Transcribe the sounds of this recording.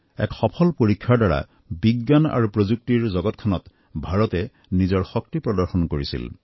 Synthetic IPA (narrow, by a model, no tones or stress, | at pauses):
ɛ̰kxɔpʰɔlpoɹikʰːaɹdaɹa̰ | biɡːana̰ɹupɹozuk̚tiɹzɔɡɔtkʰɔnɔt | bʱaɹɔtɛ | nizɔɹxɔktipɹɔdɔɹxɔnkoɹisḭl